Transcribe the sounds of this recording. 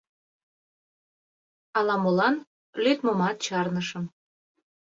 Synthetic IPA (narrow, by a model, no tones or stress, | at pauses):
ɑlɑmolɑn | lyt̪momɑt̪̚t͡ɕɑrnəʃə̆m